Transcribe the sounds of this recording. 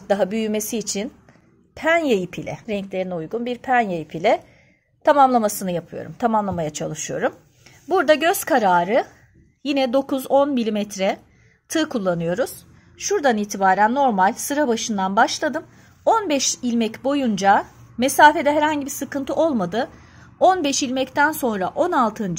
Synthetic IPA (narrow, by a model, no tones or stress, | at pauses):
d̪aɦabyjyme̞siːt͡ʃʰin | pʰænjajipʰilʲɛ̰ɾɛɲclʲe̞ɾinɛujɡunbiɾpʰænjajipʰilʲɛ | t̪ʰamamlˠamasɯnɯjapʰɯjo̞̰ɾumt̪ʰamamlˠamajat͡ʃʰalˠɯʃɯjo̞ɾum | buɾd̪aɟø̞z̥kʰaɾaːɾɯ | jinɛd̪o̞kʰuzo̞nmilʲimɛt̪ɾɛ | t̪ʰɯːkʰulˠːanɯjo̞ɾuz̥ | ʃuɾd̪aniːt̪ʰibaːɾænːo̞ɾmalʲsɯɾabaʃɯnd̪anbaʃlˠad̪ɯm | o̞nbɛʃilʲmɛcbo̞jund͡ʒamesaːfe̞d̪ɛɦɛɾhaɲɟibisɯkɯnt̪ʰɯʔo̞lˠmad̪ɯ | o̞nbɛʃilʲmɛct̪ʰænso̞nɾaʔo̞nalˠt̪ʰɯn